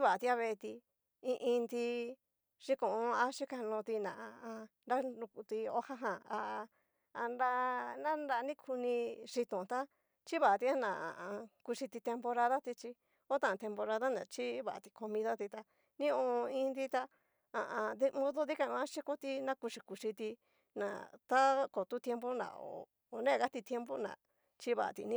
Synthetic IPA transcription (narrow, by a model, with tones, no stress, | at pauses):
t͡ʃi˦βa˨a˧t̪i˧a˧βe˧t̪i˧ | ĩ˧ʔĩ˧nd̪i˧ | ʂi˦kõ˨˧a˦ʂi˦ka˧nõ˧t̪i˧nã̰˨a˧ã˧nɾa˦ũ˧ku˧t̪i˧o˦ha˦ɦã˨a˧ | a˧nɾa˦nã˦nɾa˧nĩ˦kʰu˧nĩ˧ʂi˧t̪õ˨t̪a˦ | t͡ʃi˦βa˨a˨˧t̪i˧a˦nã˨ã̰˨ã˧ku˧ʂi˧t̪i˧t̪e˧mpo˧ɾa˧ða˦t̪i˧t͡ʃi˧ | o˦t̪ã˦˨t̪e˧mpo˧ɾa˧ða˦nã̰˨t͡ʃi˦βa˨a˨t̪i˧ko˧mĩ˧ða˦t̪i˧t̪a˧ | nĩ˦õ˧ĩ˦˧nd̪i˦t̪a˧ | a˨ʔã˧ði˧mõ˦ðo˦ði˦kã˧õ˧ã˦ʃi˦ko˦t̪i˧nã˦ku˧ʂi˧ku˧ʂi˧t̪i˧ | nã̰˨t̪a˦ko˨t̪u˦t̪e˧˦mpo˦nã̰˨o̰ː˨ | nẽ˦˨ɣa˦t̪i˧t̪je˦mpo˦nã̰˨ | t͡ʃi˦βa̰˨ʔa̰˨˧t̪ḭ˧nĩ˦